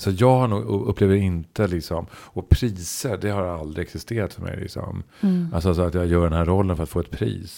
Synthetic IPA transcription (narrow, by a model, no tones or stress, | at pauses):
sɔjɑːɡhaɳuːɡɵpʰːleːvəɾɪnt̪əlɪksɔmɔpʰɾiːsəɾɖɛhaɾald̪ɾɪɛksɪst̪eːɾat̪fœɾmɛ̰jlɪ̰ksɔ̰m | ʔalsɔasɔat̪jɑːɡjœːɖɛnɦæɾɔlːənfœɾat̪foːɛt̪̚pʰɾḭːs